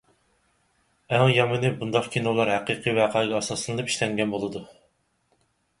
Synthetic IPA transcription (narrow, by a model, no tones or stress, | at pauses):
æŋjɑmɨnɨbund̪ɑqkʲʰenoulˠɑɾhæqiqʰivæqʰɑɪɡʲɛːsɑsɨnɨlɨpi̥ʃlɛŋɡʲɛnbolˠɨd̪u